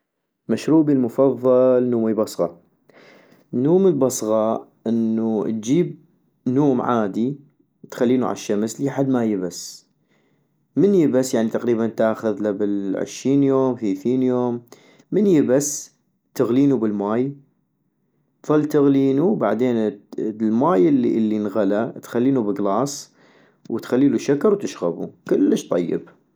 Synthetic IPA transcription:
maʃɾuːbilmʊfɑðˤːɑlnuːmibɑsˤɣɑ | nːuːməlbɑsˤɣɑʔɪnːut̪̚d͡ʒiːb̚ | nuːmʕaːd̪i | t̪xalːiːnuʕa̰ʃːamsliħad̪ːmajɪbas | mənjɪbasjaʕnit̪aqɾiːbant̪aːxʊðlabɪlʕɪ̰ʃɾiːnjoːmfiθiːnjoːmː | ənjɪbas | t̪ɪɣliːnubɪlmaːj | ðˤɑlːt̪ɪɣliːnuwba̰ʕd̪eːnlmaːjɪlːilːinɣalat̪xalːiːnubɪɡlɑːsˤ | wt̪xalːiːluʃakɑɾˤwt̪ɪʃɣabṵkɪlːəʃt̪ˤɑ̰jːɪ̰b̚

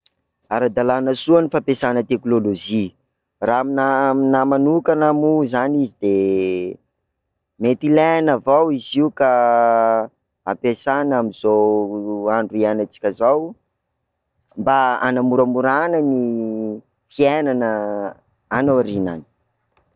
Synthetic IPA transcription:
aɾad̪alanəsuanifapesanət̪eknoloʒi | raminaminamanukanamuzanizid̪e | met̪ilenavawiziuka | apesanamiz̥o | aɳɖ͡ʐuianət͡si̥kʲazaw | mbaanamuɾəmuɾanəni | fienanə | anaaɾina̰ni̥

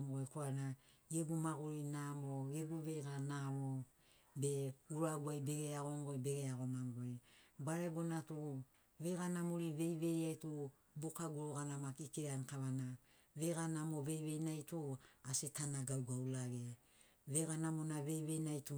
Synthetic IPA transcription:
mɡojkoana | ebumaɡoɾinamoɡebuβe̞jɡanamo | be̞uɾaɡuajbe̞ɡeaɡoŋɡojbe̞ɡeaɡo̞maŋɡojbaɾebonatu | βe̞ɡanamoɾiβe̞jβe̞jajtu | bokaɡuɾoɡanamakikeankaβana | βe̞ɡanamoβe̞jβe̞jnajtuasetanaɡawɡaulaɡe | βeɡanamonaβe̞jβe̞jnajtu

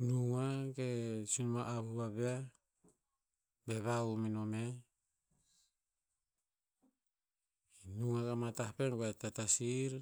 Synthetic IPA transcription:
nuŋaɡesunmaʔːβuβaβea | beβauminome | nuŋakamatapenɡatatasiɾ

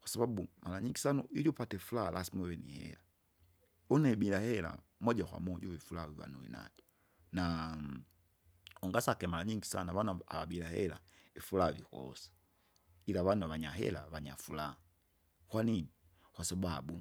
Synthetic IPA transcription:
kwasabaɓumalaɲiŋɡisanɔ̰ʔijɔpatɛfulalʔasimɛwɛnḭhɛ̰la | unaiɓilahɛla̰ | mɔʄakwa̰mɔʄɔvifulaviva̰nuḭna̰d͡ʒɔ̥ | na | ɔŋɡasakɛmalaɲiŋɡisa̰naβana̰βaɓilahɛ̰la̰ifulaːvikɔ̰sḁ | ilaβanuaβaɲaɦɛ̰la̰βaɲafulaa | kwaniɲi | kwasababu

